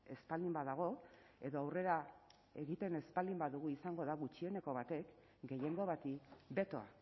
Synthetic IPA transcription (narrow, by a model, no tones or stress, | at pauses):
e̞spalimbaðaɣ̞o̞ | e̞ðo̞awre̞ɾa | e̞ɣit̪e̞ne̞spald̪imbaðuɣ̞uisaŋɡo̞ðaɣut͡ʃie̞ne̞ko̞β̞at̪e̞k | ɡe̞je̞ŋɡo̞β̞at̪ibe̞t̪o̞a̰